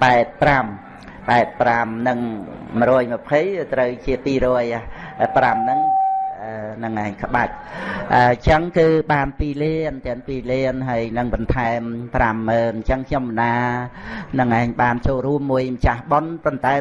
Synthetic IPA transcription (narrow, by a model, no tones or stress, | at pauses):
paɛt̪̚pram | paɛt̪̚pramnɨŋməɾɔːjmɨ̆əpʰəjt̪rəwt͡ɕiəpiːɾɔəjʔapramnɨŋʔənɨŋʔaːɲkʰə̆ɓac̚ʔət͡ɕəŋkɨːɓaːnpiːliənt̪ɛənpiːliənɦaəjnɨŋɓɑnt̪ʰaɛmpramːəːnɲt͡ɕəŋkʰɲomːənaː | nɨŋʔaːɲɓaːnt͡ɕoːlruəmːuəjmət͡ɕahɓonpont̪aɛ